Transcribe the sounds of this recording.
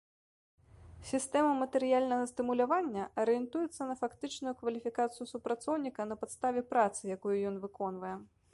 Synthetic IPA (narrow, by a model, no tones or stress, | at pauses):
sʲist̪ɛmɐmɐt̪ɛɾɨjalʲnɐɣɐst̪ɨmulʲavanʲːɐʔɐɾɨjɛnt̪ujɛt̪sːɐnɐfakt̪ɨt͡ʂnujukvɐlʲifʲikat̪sɨjusupɾat̪sɔwnʲikɐnɐpat̪st̪avʲɛpɾat̪sɨjakujujɔn̪vɨkɔn̪vɐjɛ